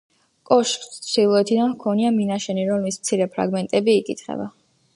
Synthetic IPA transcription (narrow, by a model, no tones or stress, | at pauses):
kʼɔʃt̪sʰd̪ilˠɔɛt̪ʰid̪anvkʰɔniaminaʃɛniɾɔmlismt̪sʰiɾɛpʰɾa̰ɡmɛnt̪ʼɛbiːkʼit̪ʰχɛ̰ba